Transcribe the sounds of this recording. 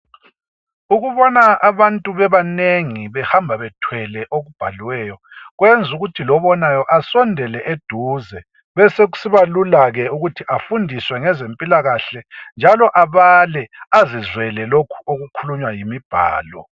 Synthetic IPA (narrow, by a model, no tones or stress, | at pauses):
uɣuβɔnaaβantʼuβɛβaneŋiβɛhambʱaβɛtʰwɛlɛʔoɣub̥ʱaliwɛːjɔ | ɣwend͡zʱuɣutʰilɔβɔnajɔʔasɔndʱɛlɛʔed̥ʱuːzɛ | βɛseɣu̥siβalulaɣɛuɣutʰiʔafundʱiswɛŋɛzempʼilaɣaɬɛnd͡ʒʱalɔʔaβalɛazizwɛlɛlokʰu̥oɣukʰuluɲwajimib̥ʱa̰ːlɔ̰